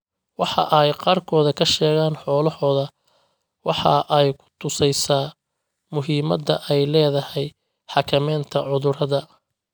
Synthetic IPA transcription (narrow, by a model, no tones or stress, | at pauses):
wɑħɑ̰ʔɛjqɑːrkʰɔːðɐkʰɐʃɛːɣaːnħɔːlɐhɔːðɐ | wɑħɑʔɛjkʰʊ̥t̪ʰʊsɛjsaː | mʊɦiːmɐd̪ɐʔɛjlɛːðɐhɛj | ħɑkʰɐmɛːnt̪ʰɐʕʊðʊɾɐðɐ